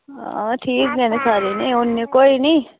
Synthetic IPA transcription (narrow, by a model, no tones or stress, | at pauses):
ʈʰiːknɛ̃ːnesaːɾeːnĩːʊnːeːkoːiːnĩː